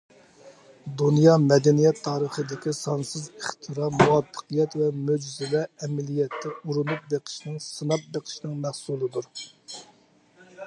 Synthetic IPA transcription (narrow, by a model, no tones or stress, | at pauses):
d̪unjɑmɛd̪ɛnijɛt̪ʰːɑːɾəχəd̪ɪkʲisɑnsɨzeχt̪ʰɨɾɑmuwɑbːə̥qʰijɛt̪vɛmød͡ʒzɪlɛɛmɪlijɛt̪ʰːɛuɾunup̚beqʰɪ̥ʃnɨŋsɨnɑp̚beqʰɪ̥ʃnɨŋmæhsulˠɨd̪uɾ